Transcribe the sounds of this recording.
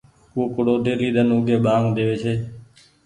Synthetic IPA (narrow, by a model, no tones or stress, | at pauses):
kuːkʊɽoːɖeːliːɗ̪ənʊɡʱeːɓaːŋd̪eːʋeːt͡ʃʰeː